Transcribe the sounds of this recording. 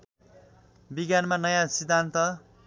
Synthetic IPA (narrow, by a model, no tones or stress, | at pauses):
biɡjanmanʌjasid̪ʱːant̪ʌ